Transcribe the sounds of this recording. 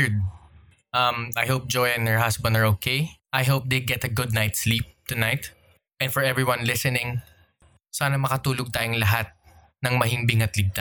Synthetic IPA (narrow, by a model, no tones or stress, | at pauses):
ɹd̪̚ | ʔɐmajhoʊp̚d͡ʒojɛ̃ndɛɹhasbɐ̃nd̪ɐɹokʰejʔajɦoʊp̚d̪ejɡɛt̪ɐɡʊd̪̚najt̪slip̚t̪ʊnajt̪ | ʔɛ̃nfɔɹɛvɹiwɐ̃nlɪsɛnɪ̃ŋ | saːnɐmɐkɐt̪uːloɡ̚t̪aːjoŋlɐɦat̪̚ | nɐŋmɐɦɪŋbɪŋɐt̪lɪɡ̚t̪a